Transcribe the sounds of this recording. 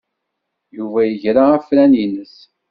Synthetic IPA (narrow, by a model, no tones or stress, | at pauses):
juvæjəʝɾaæfɾæninəs